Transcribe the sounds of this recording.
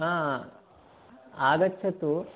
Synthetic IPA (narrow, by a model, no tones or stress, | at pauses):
ã | aːɡɐt͡ʃːʰɐt̪u